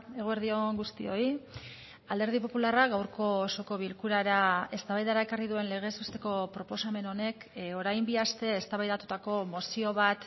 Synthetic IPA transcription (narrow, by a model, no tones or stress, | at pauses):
e̞ɣ̞oeɾðio̞ŋɡust̪io̞i | ald̪eɾð̞ipo̞pularaɡawɾko̞ːso̞ko̞βilkuɾaɾae̞st̪aβajðaɾae̞kariðue̞nle̞ɣ̞e̞sust̪e̞ko̞pɾo̞po̞same̞no̞ne̞ko̞ɾajmbiast̪e̞ːst̪aβajðat̪ut̪ako̞mo̞sio̞βat̪